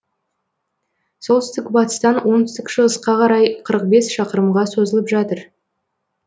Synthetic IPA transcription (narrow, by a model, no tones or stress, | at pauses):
so̞lˠt̪ʏ̥ɪst̪ɪkbɑt̪ə̥st̪ɑnwo̞nt̪ʏst̪ɪkʃəəsqɑqʰɑɾɑjqʰəɾəq̚be̞sʃɑqəɾəmʁɑso̞zəlˠəpʒɑt̪əɾ